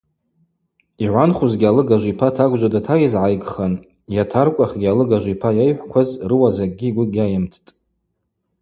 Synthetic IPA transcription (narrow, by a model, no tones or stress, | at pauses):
iʕʷanχuzɡʲalɨɡaʒʷipʰatʰaɡʷʒʷadatʰajizʕajɡʼχan | jatʰarkʷʼaχɡʲialɨɡaʒʷipʰajajħʷkʷʰazrɨwazaɡ̚ʼɡʲiɡʷʊɡʲajɪmtʰtʼ